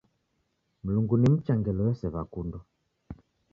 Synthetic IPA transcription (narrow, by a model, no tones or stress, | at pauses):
m̩luŋɡunim̩t͡ʃaŋɡɛlɔjɛsɛβakundɔ